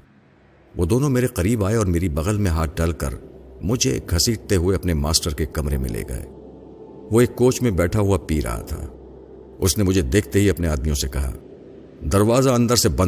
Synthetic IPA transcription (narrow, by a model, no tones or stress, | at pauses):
ʋoːd̪oːnõmeːɾeqɐɾiːbaːeɔːɾmeːɾibɐɣəlmẽɦaːt̪̚ʰɖɐlkɐ̰ɾmʊd͡ʒʱḛkʰhɐsiːɖt̪eɦʊeɐpnemaːsʈəɾkekɐmɾḛmḛ̃lḛːɡɐ̰ḛː | ʋoeːkːoːt͡ʃmẽbɛːʈʰaɦuapiːɾa̰ːɦa̰t̪ʰa̰ː | ʊsnemʊd͡ʒʱed̪eːkʰt̪eɦiɐpneaːd̪mijõsekɐɦa̰ː | d̪ɐɾʋaːzaɐ̃nd̪əɾsebɐ̃